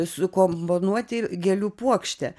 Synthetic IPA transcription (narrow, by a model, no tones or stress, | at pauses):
sʊkomponuɔt̪ʲɪɡʲɛlʲuːpuɔkʃʲt̪ʲɛ